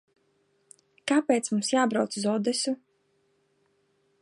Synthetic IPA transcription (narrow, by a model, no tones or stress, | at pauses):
kapeːt̪smumsjaːbɾawt̪suzɔd̪ɛsu